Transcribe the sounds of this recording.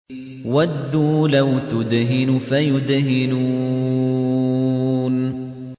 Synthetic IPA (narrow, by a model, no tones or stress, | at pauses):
wad̪ːuːlawt̪ʊd̪ɦɪnʊfajʊd̪ɦɪnu | n